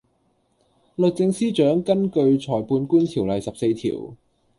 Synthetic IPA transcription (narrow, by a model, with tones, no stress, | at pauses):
lɵ˨k̚t͡sɪ˧ŋsiː˥t͡ʃœː˨˥ŋkɐ˥nkɵ˧ɥt͡ʃʰɔː˨˩jpuː˧nkuː˥nt̪ʰiː˨˩wlɐ˨jsɐ˨p̚se˧jt̪ʰḭ˨˩w